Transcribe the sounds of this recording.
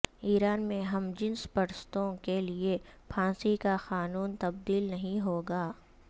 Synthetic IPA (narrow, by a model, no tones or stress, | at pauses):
iːɾaːnmẽɦɐmd͡ʒɪnspɐɽst̪õkeliepʰãːsikaxaːnuːnt̪ɐb̚d̪iːlnɐɦĩɦoːɡaː